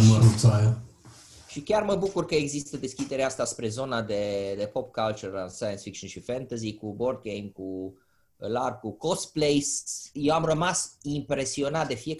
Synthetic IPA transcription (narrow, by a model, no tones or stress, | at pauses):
məɾut̪saja | ʃikʲarməbukurkəe̞ɡzist̪əd̪e̞skʲid̪e̞ɾeast̪aspɾe̞zo̞nad̪e̞d̪e̞po̞pkalt͡ʃuɾansajənsfik̚ʃonʃifent̪əzikubo̞rd̪̚ɡejmku | larkuko̞splejsjewamrəmasimpɾe̞sio̞nat̪̚d̪e̞fie̞